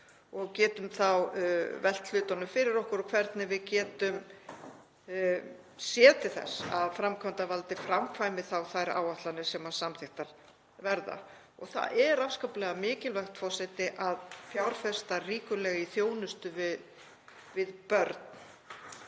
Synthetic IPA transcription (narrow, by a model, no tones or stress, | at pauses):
ɔɣcɛːt̪ʏmθawvɛl̥t̪l̥ʏːt̪anʏmfɪɾɪɾɔhkʏɾɔkʰvɛɾt̪nɪvɪðcɛːt̪ʏm | sjɛːt̪ʰɪθɛ̰saðfɾamkʰant̪avalt̪ɪfɾamkʰvaːjmɪθawθajɾa̰ːwaht̪lanɪsɛmasamθɪxt̪aɾ̥ | vɛɾða̰ | ɔɣθa̰ðɛɾafskawplɛɣamɪːcɪlvɛxt̪fɔsɛjt̪ɪʔaðfjawɾfɛst̪ariːkʏlɛːɣiθjoːwnʏst̪ʏvɪ | vɪðpœɾt̪̚n